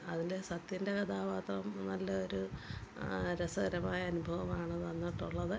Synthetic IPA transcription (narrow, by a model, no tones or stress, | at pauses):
ɐðilesɐt̪jinde̞kɐd̪aːʋaːt̪rɐmnɐlːɐoɾu | ɾesɐɡɐɾɐmaːjɐːnubʱɐʋɐmaːɳɐðʋɐnːiʈːuɭːɐðɨ